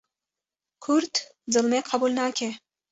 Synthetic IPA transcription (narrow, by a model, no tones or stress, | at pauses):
kʰuɾt̪d̪ɨlˠmeqʰɑbulnakʲʰe